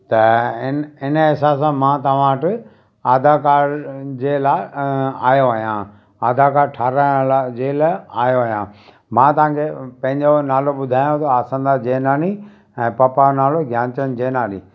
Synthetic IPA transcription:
t̪ɐɪnɪnəɪsaːsãmãːt̪ɐʋ̤ãːʈɪ | aːd̪ʱakaːɾd͡ʑeːlaːɪa̰ːjoaːɦijãː | aːd̪ʱakaːɾʈʰaːɾalad͡ʑeːlaaːjoaːɦijã̰ː | mãt̪ɐʋ̤ãːkʰepɐ̃ɦɪ̃ɲd͡ʑonaːloɓʊd̪ʱaːjõt̪ʰɐaːsə̃nd̪ad͡ʑeːnaːni | ɛ̃ːpɐpanaːloɡʱjaːɲt͡ɕənd͡ʑeːnaːnḭː

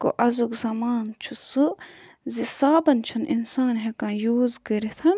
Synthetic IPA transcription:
ko̰ʔɐzukzɐmaːnt͡ʃʰusɨ | zisaːbɐnt͡ʃʰɐnʔḭnsaːnɦekãːjuːzkəɾet̪ʰɐn

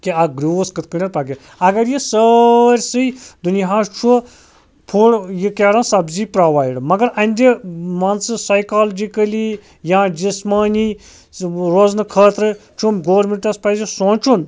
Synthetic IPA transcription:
kiɐɡɾiskɨt̪̚kɨnʲɐɾpaɡi | ɐɡɐɾjisəɾʲsɨjd̪uniɦaːst͡ʃʰu | pʰuɽjikʲeːɾãnsɐbziːpɾaːʋaːjɖmɐɡɐɾɐ̃nʲd̪ʲemɐnsɨsɐjkaːld͡ʒikɐli | jãːd͡ʒismaːni | ɾoːznɨkʰɐːt̪ɾɨt͡ʃʰumɡoːɾmeɳʈɐspɐzesõːt͡ʃʰun

